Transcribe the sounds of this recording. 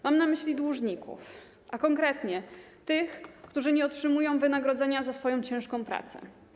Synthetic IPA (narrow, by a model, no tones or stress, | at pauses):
mamnamɘɕlʲid̪wuʐɲikṵf | ʔakɔŋkɾɛt̪ɲɛ | t̪ɘxkt̪uʐɘɲɛɔtʂɘmujɔ̃w̃vɘnaɡɾɔd̪zɛɲazasfɔjɔ̃w̃t͡ɕɛ̃ʂkɔ̃w̃pɾa̰t̪sɛ̰